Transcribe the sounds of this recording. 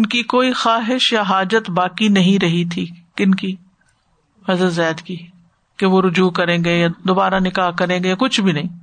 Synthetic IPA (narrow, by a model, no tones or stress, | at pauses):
ɪnkikoːixaːɦɪʃjaɦaːd͡ʒət̪baːkinɐɦĩɾɐɦit̪ʰiːkɪnki | mɐzət̪zaːd̪kiː | keʋoɾʊd͡ʒuːkɐɾẽːɡejad̪oːbaːɾanɪkaːɦkɐɾẽːɡejakʊt͡ʃʰbʱinɐɦĩː